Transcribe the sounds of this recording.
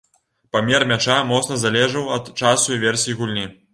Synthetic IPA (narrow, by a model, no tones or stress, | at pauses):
pamʲɛrmʲat͡ʂamɔt̪snɐzalʲɛʐɐwɐt̪t͡ʂasuivʲɛrsʲijiɣulʲnʲi